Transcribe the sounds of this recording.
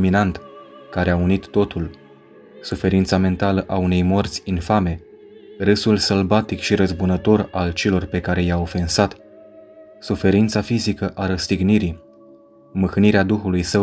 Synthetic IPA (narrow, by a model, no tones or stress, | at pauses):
minant̪kaɾeaunit̪ːo̞t̪ul | sufe̞ɾint̪same̞nt̪aləʔaune̞jmo̞rt̪sʲinfame̞ | rɨsulsəlbat̪ikʃiɾəzbunət̪o̞ralt͡ʃe̞lo̞rpe̞kaɾe̞jaofe̞nsat̪ | sufe̞ɾint̪safizikəʔaɾəst̪iɡniɾi | mɨxɨniɾead̪uxulujsə